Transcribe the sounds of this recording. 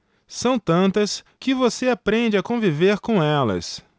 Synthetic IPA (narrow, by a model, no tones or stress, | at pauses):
sɐ̃w̃t̪ɐ̃nt̪ɐs | kɪvoseapɾẽd͡ʒɪakõviveɾkõɛlɐ̰s